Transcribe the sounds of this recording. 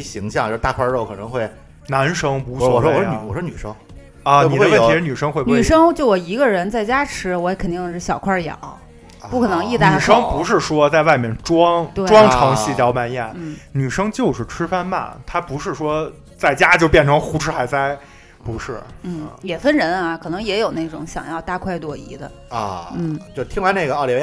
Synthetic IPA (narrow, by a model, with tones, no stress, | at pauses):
ɕi˧˥ŋɕjɑ˥˧ŋt͡ɕo˥˧˩t̪a˥˩kʰwa˥˧ɻo˥˩ʊkʰɤ˨˩nɤ˧˥ŋxwe˥˩ɪ | na˧˥nʂɤ˥ŋu˧˥˧ɔ˥ɔ˨˩wɔ˥wɔ˨˩ʂn˧˩wɔ˨˩ɔ˥ny˨˩ʂɤ̰˥ŋ | ɐ˧ni˨˩˧ə˧wə˥˩t̪i˧˥ʂɻ̩˥˩ny˨˩ʂɤ˥ŋxwe˥˧bn˧˥y˨˩˥ʂɤ˥ŋt͡ɕjo˥˩ʊwɔ˨˩i˧˥ɡə˧ɻə˧˥nt͡sa˥˩ɪt͡ɕja˥ʈ͡ʂʰɻ̩˥wɔ˧˥ɛ˧˩kʰə˨˩nt̪i˥˧ŋʂɻ̩˥˩ɕjɑ˨˩ʊkʰwa˥˩jɑ̰˨˩˦ʊ | pu˥˩kʰɤ˨˩nɤ˧˥ŋi˥˧tn˥˧y˨˩ʂɤ˥ŋpu˧˥ʂɻ̩˥˩ʂwɔ˥t͡sa˥˧ɪwa˥˧ɪmjɛ˥˩nʈ͡ʂwɑ˥ŋt̪we˥˩ʈ͡ʂwɑ˥ŋʈ͡ʂʰɑ˧˥ŋɕi˥˩tjɑ˧˥ʊpa˥˧njɛ̰˥˩nn̩˥˩ny˨˩ʂɤ˥ŋt͡ɕjo˥˧ʊʂɻ̩˥˩ʈ͡ʂʰɻ̩˥fa˥˧nma̰˥˩nt̪ʰa˥pu˧˥ʂɻ̩˥˩ʂwɔ˥ | t͡sa˥˩ɪt͡ɕja˥t͡ɕjo˥˧ʊpjɛ˥˩nʈ͡ʂʰɤ˧˥ŋxu˧˥ʈ͡ʂ̩ʰ˥xa˧˥ɪt͡sa˥˩ɪ | pu˧˥ʂɻ̩˥˩n̩˥˩jɛ˨˩fə˥nɻə˧˥na˧kʰɤ˨˩nɤ˧˥ŋjɛ˧˥jo˨˩ʊne˥˩ɪʈ͡ʂʊ˧˩˥ŋɕjɑ̰˨˩ŋjɑ˥˧ʊt̪a˥˧kʰwa˥˧ɪt̪wɔ˨˩ḭ˧˥d̪ə̰˧ | n̩˥˩t͡ɕjo˥˧˩t̪ʰi˥ŋla˧˥ɪna˥˩ə˧˥˩li˧˩e˥˧